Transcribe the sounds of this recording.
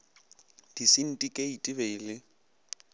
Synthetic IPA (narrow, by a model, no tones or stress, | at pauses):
d̥isɪn̩tʼikʼeitʼɪbeɪlɪ